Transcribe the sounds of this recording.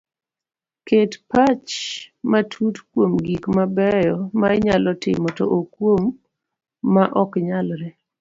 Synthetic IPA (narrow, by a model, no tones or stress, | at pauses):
ketpat͡ʃmatʰutkwomɡikmabɛjɔmaɛɲalɔtɪ̰mɔtɔ̰ʔokwomː | aʔɔkɲalɾɛ